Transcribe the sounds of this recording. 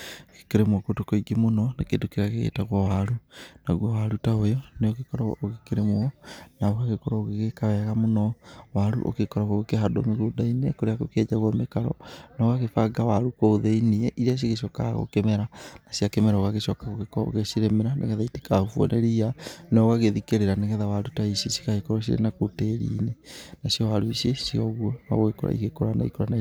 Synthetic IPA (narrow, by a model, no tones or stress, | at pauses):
ke̥keɾemwɔkotokoiɡimonɔnekedokeɾaɣeɣḛtaɣwawaɾunaɣwɔwaɾutaojɔneoɣekɔɾa̰oɣekeɾemoɔnaoɣaɣekɔɾɔoɣeɣekawɛɣamonɔwaɾṵʔo̰kekɔɾaɣoɣekeɦado̰meɣoːdainekoɾeakokɛd͡ʒaɣwɔmekaɾɔ̰nɔɣaɣefaɡawaɾukooðeiniɛʔiɾeas̬iɣeʃ̬ɔkaɣo̰kɛmɛɾanasiakɛmɛɾaoɣaɣeʃɔkaɣoɣekɔo̰ɣesiɾemeɾanʔḛɣɛðaite̥kahufwɔ̰nʔeɾianaoɣaɣeðikeɾeɾaneɣɛðawaɾutaiʃesi̥kaɣekɔɾɔɕ̬iɾḛnakoteːɾḭːnenasijɔwaɾuiʃesiɔɣwɔna̰ɣoɣeko̰ɾa̰ḭɣekoɾana̰ḭkoɾana